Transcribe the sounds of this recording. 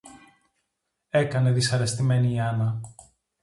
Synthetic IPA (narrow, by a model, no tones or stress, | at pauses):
e̞kɐne̞ðisɐɾe̞st̪ime̞niːɐnɐ